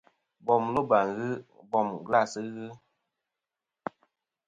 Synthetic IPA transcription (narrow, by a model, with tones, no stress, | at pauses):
bɔ˨mlo˦ba˨ŋɣɨ˦bɔ˦˨mɡla˦˨sɨ˦ɣɨ˦